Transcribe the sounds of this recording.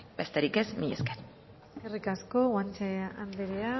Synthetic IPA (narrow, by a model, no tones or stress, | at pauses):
b̥e̞st̪eɾikezmiḛsken | sekerikasko̞ɣwant͡ʃeand̪eɾea